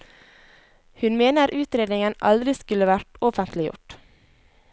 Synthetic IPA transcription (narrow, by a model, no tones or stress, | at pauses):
hʉnmeːnəɾʔʉːt̪ɾeːd̪nɪŋənʔɑld̪ɾɪskʉləʋæʈɔfənt̪lɪjʊ̰ʈ